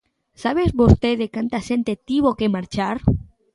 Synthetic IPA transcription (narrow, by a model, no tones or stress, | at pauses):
saβezbost̪eðekant̪aʃent̪et̪iβokemaɾt͡ʃaɾ